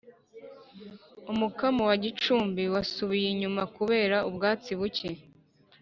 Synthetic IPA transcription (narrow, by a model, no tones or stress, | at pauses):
umukamowaɟit͡ʃuːmbiwasuβijeɲumakuβe̞ːɾaubɡaːt͡siβuce